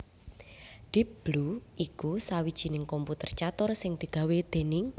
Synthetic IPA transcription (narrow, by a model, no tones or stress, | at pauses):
ɖ̥ɪp̚b̥luʔikusawid̥ʒ̥i̤nɪŋkɔmput̪ərt͡ʃat̪ʊrsɪŋd̪̥i̤ɡ̥a̤wed̪̥e̤nɪŋ